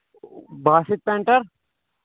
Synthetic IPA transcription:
bʱaːsɪt̪̚pẽɳʈəɾ

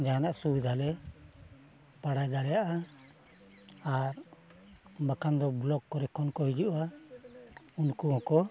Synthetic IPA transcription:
d͡ʒaanaʔsud̪ʱalɛ | paɽajd̪aɽɛjaʔa | aɾ | bakand̪ɔblɔkːɔɾɛkʰɔnkɔɦid͡ʒuʔa | unkuɦɔ̃kɔ

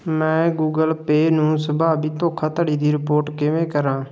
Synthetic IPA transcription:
mɛ̃ːɡuːɡəlpeːnũːsəbaːbʱiːt̪õːkʰaːt̪əɽiːd̪iːɾɪpoːɾʈkɪʋẽːkəɾãː

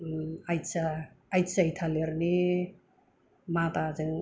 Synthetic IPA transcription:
ajsaː | jsajtʰaleɾni | mat̪azɯŋ

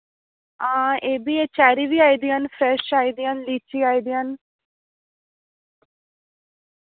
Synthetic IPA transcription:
ãːeːbiːeːt͡ʃɛːɾiːʋiːaːid̪iaːnfʰɾɛːʃaːid̪ijaːnliːt͡ʃiːaːid̪ijaːn

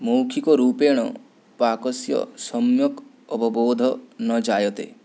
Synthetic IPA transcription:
mowkʰikɔɾupeɽ̃ɔ | pakɔsjɔ̰sɔmjɔk | ɔbɔbod̪ʱɔnɔd͡ʒajɔt̪ḛ

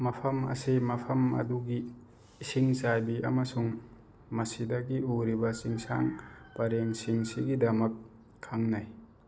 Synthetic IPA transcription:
mɐpʰɐmɐ̰semɐpʰɐmɐ̰duɡiː | siŋsajbiɐmɐsuŋ | mɐsidɐɡiuɾibɐsiŋsa̰ŋpɐɾeŋsiŋsiɡidɐmɐkʰː | aŋnaj

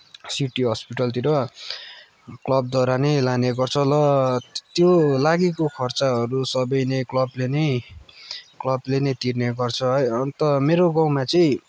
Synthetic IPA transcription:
siʈiɦʌspiʈʌlt̪iɾʌ | klʌb̚d̪ʱʌɾanʌlaneɡʌrt͡sʰʌlʌt̪jolaɡikokʰʌrt͡saɦʌɾusʌbʌjnʌjklʌblenʌj | klʌblenʌjt̪irneɡʌrt͡sʰʌɦʌjʌnt̪ʌmeɾoɡãwmat͡sʌĩ

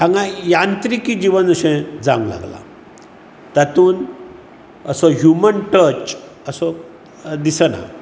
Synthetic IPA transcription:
ãŋɡãjant̪ɾikiːd͡ʑiʋənəɕẽd͡zã̰ŋɡla̰ɡla̰ | t̪at̪uːn | əsɔɦjumənʈəɾt͡ɕ | əsɔ | d̪isəna̰

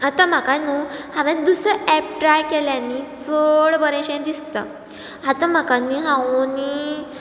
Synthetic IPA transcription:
at̪ãm̤akanuːhãʋẽd̪usɾəʔɛp̚ʈɾajkeljãnːit͡soɽbəɾẽɕẽd̪ist̪a̰ | at̪ãm̤akanːiɦãoni

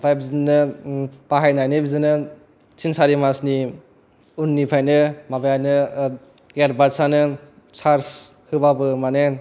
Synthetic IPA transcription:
pʰajbizinɯb̥aɦajnajnɯbizɯnɯ | sʰinsaɾimasni | unːipʰajnɯmabajajnɯ | ɡeɾbaɾsanɯ | sʰaɾshɯbabɯmanen

